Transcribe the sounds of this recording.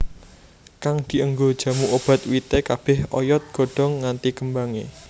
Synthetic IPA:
kaŋd̪̥i̤əŋɡod̥ʒ̥a̤muʔob̥ä̤t̪̚wit̪ekab̥ɪhɔ̰jɔt̪̚ɡ̥ɔ̤ɖ̥ɔ̤ŋːant̪ikəmbaŋe

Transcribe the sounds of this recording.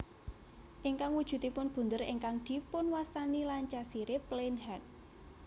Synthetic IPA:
ʔiŋkaŋwud̥ʒ̥ṳt̪ipʊnb̥ṳnd̪əɾḭŋkaŋd̪̥i̤pʊnwast̪anilaɲt͡ʃasiɾeplenɦɛt̪̚

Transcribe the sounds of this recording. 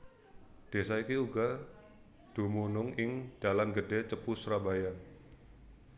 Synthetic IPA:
d̥e̤saikiuɡa | d̥ṳmunʊŋɪŋd̥alanɡədɛt͡ʃəpusɾabaja

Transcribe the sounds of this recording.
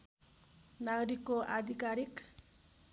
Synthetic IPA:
naɡɾikoʔad̪ʱikaɾik

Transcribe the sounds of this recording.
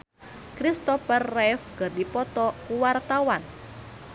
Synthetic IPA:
kɾist̪ɔfɛrːɛfkərdipɔt̪ɔkuwart̪awan

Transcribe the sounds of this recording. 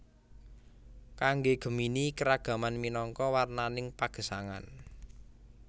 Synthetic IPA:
kaŋɡeɡ̥ə̤minikəɾaɡ̥a̤manminɔŋkɔwarnanɪŋpaɡ̥ə̤saŋa̰n

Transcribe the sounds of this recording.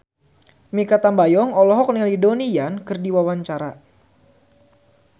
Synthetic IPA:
mikat̪ambajɔŋɔlɔɦɔk̚nilidonijankɨrdiwawaɲt͡ʃaɾa

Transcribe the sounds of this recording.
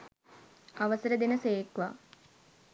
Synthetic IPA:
ɐʋɐsɐɾəd̪inəseːkʋa̰ː

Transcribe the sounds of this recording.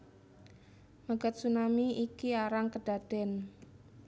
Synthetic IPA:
maɡət̪̚sunamiikiaɾaŋkəɖ̥a̤d̥ɛn

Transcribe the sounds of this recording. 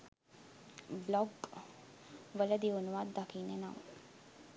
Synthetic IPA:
blɔɡ | ʋələd̪ionuʋad̪d̪akiːnena̰m

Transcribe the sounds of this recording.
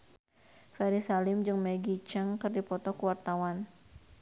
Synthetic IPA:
fɛɾisalɪmd͡ʒɨŋmɛɡit͡ʃaŋkɨrdipɔt̪ɔkəwart̪awan

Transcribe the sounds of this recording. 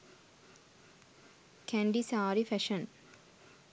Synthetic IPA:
kʰæ̃ɳɖisaːɾifæʃə̃n

